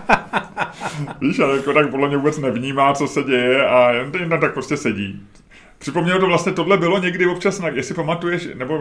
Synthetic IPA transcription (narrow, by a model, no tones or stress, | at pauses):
viːʃajakot̪ak̚podlɛmɲɛvuːbɛt͡snɛvɲiːmaːt͡so̞sɛɟɛjɛajɛnjɛnt̪amt̪akpɾo̞scɛsɛɟḭː | pr̥ɪpomɲɛlot̪ovlast̪ɲɛt̪o̞dlɛbɪlo̞ɲɛɡdɪvo̞p̚t͡ʃasnajaksɪpamat̪ujɛʃnɛbo̞